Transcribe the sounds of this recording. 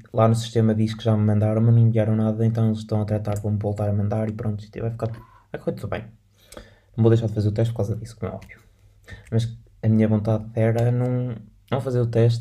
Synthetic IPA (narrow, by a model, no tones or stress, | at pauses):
lˠanusi̥ʃt̪emɐðiʃkɨʒammɐ̃nd̪aɾɐ̃w̃nɐ̃wnĩvijaɾɐ̃w̃naðɐẽnt̪̬ɐ̃w̃elˠʃt̪ɐ̃w̃ɐt̪ɾɐt̪aɾvɐ̃wmvolˠt̪aɾɐmɐ̃nd̪aɾipɾõt̪uʃit̪ḛvajfikaɾ | ɛkfojt̪uðuβɐ̰̃j̃ | nɐ̃w̃boðejʃ̬aɾðfɐzeɾut̪ɛʃt̪pɾkawzɐðisu̥komɛ̰ɔ̰βvju | mɐʃ | ɐmiɲɐβõnt̪aðɛɾɐnɐ̃w̃nɐ̃w̃fɐzeɾut̪ɛʃ̬t̪